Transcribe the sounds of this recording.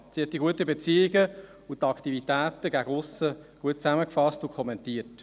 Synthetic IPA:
sihɛt̚diɡuətəbet͡siːɪɡə | ut̪ɑkt̪ivitæːt̪əɡæɡəʊsəɡ̥uət̚t͡sæməkfɑstukʰχɔmɛntiət

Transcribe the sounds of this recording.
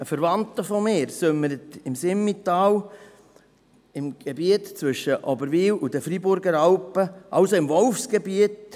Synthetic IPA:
əfəɾʋɑnt̪əfɔmeːɾsømːəɾət̪ɪmsɪmːitɑːw | ɪmɡ̥ebiətt͡sʋʏʃːəʔɔbəɾʋiːlud̥̪əfɾibʊɾɡəɾɑlpəʔɑwsoɪmʋɔlfsɡ̥ebiət

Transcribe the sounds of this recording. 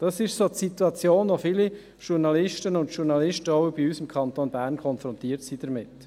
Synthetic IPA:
d̥ɑsɪʃsotsituɑt͡sjoːnʋofiːli | ʃuɾnɑlɪʃtənʊndʃuɾnɑlɪʃtəɔʊb̥iysəmkʰɑntoːnbæːɾnkʰɔnfɾɔntiːəɾtsid̥əɾmɪt

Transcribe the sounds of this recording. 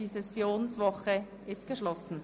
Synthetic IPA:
isɛsjoːnsvɔχə | ʔɪst̚ɡ̥əʃlɔsn̩

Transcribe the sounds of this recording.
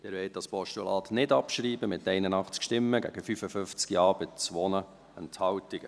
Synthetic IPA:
d̥ɛːɾʋɛɪt̚d̥ɑspɔʃtulɑːt̪nɪdɑpʃɾiːbəmɪtɛɪnənɑχt͡skʃtɪmːəɡæ̰ɡ̥əfyfəfʏft͡skiɑːbət͡sʋɔnə | ɛnthɑwtiɡə

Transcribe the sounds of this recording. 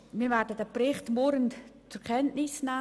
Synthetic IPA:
miːvɛɾdədəprɪχtmɔɾənt͡sʊkʰɛntnɪsna

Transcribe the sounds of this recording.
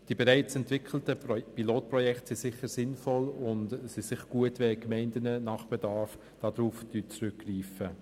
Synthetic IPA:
d̥iːbɛɾaɪt͡sɛntv̥ɪkʰl̩təpiloːt̚prɔjɛktsɪsɪχəɾsɪnfɔlʊntsisɪχɡ̥uətʋɛːkmɛɪndənənɑχb̥ɛdɑːɾf | d̥ɑːdɾuːfd̥yt͡sɾʏkːriːfə

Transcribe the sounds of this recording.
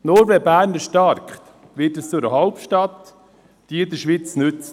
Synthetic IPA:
nɔɾvɛbæːɾnəʃtɑɾkχt | ʋɪtəst͡sʊɾəɦalpʃtɑt̪ | d̥iəɪd̪əʃʋit͡snʏt͡s

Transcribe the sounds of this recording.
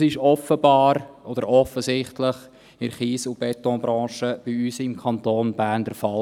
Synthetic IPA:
sɪʃɔfəbɑːɾʔɔd̥̪əɾɔfəzɪχtləχ | ɪɾχiːsʊb̥ɛtɔ̃ːbɾɑ̃ːʃəb̥iyːsɪmkʰɑntoːnb̥æːndɛɾfɑl

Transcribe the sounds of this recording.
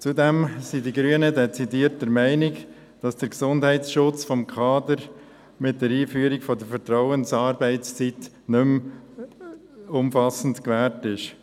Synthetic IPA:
t͡sudɛmsidiɡɾyənədɛt͡sidiːɾt̚dəɾmæɪnɪɡ | d̥ɑsd̥əɾksʊndɦɛɪsʃʊt͡sfɔmkʰɑːdəɾ | mɪt̚d̥ɛɾiːfyːəɾiɡfɔdəɾfəɾtɾaʊənsɑːɾbɛɪt͡st͡sit | nʏm | ʊmfɑsn̩tkʋɛːɾtɪʃ

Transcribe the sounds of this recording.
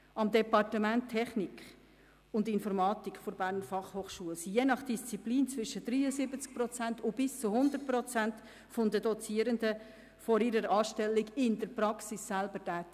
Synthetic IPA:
ɑmd̪ɛpɑrtəmæntʰːɛχnikχ | ʊndɪnfɔɾmɑːtikχfoɾb̥æːɾnfɑχhoːχʃuːəlsijenɑχd̥ist͡sipliːnt͡svɪʃəd̥riːəzɪbət͡sk̚pɾrɔt͡sæntʊb̥ɪst͡sʊhʊnd̪ət̚prɔt͡sænt | fɔnd̪ədɔt͡siːəɾəndə | fɔɾiɾəɾɑːʃtɛlːiɡɪndəɾpɾɑksisːælbətæːtɪ

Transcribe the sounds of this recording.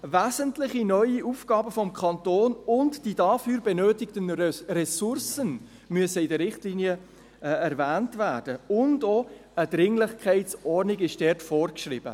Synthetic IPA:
væːzəntlɪχinœʏiʔuːfɡ̥ɑːbəfɔmkʰχɑntoːnʊntd̥iːdɑfyːɾbɛnøːtɪktənrɛsʊrsən | myəsəɪdəɾɾɪχtliːniə | ɛɾvæːntvæːrd̥əʊndoədɾɪŋlɪχkʰɛɪtt͡sɔɾnɪɡɪʃd̥ɛːɾtfɔːrkʃrɪbə̰

